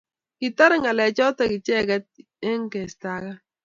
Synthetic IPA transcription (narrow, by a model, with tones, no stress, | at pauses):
kɪ˨ta˦ɾŋa˨lɛ˨t͡ʃɔ˦ta˨kɪ˨t͡ʃɛ˦kɛ˦t̚ | e˦ŋ˦kɛ˨sta˨ka˦